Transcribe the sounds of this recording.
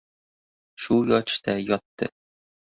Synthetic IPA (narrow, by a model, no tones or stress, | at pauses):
ʃujɒʃt̪æjɒt̪ːɤ̰